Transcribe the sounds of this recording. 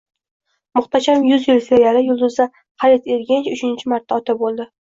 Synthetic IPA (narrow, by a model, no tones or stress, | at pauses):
mʊχt̪ʰaʃamjʊzjɪlsɪajaɾɪjʊlˠd̪ʊzd̪a | χɑɾɪt̪eɾɡʲɪnt͡ʃʊt͡ʃʰɪnt͡ʃʰɪmaɾt̪ːaɒt̪ʰap̚bolˠd̪ɪ